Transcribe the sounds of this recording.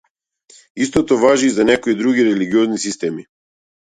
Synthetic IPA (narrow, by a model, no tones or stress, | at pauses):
ist̪ɔt̪ɔvaʒiːzanɛkoid̪ɾuɡiɾɛliɡiɔznisist̪ɛmi